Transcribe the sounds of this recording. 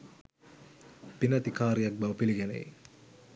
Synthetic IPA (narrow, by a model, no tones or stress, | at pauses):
pinɐt̪ikaːɾijɐk̚bɐʋəpiliɡɛnḛj